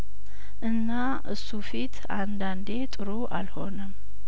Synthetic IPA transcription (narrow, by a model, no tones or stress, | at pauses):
ʔɨnːa | ʔɨ̰sːufit̪ʰ | and̪and̪e̞t̪ʼɨɾuʔa̰lho̞nəm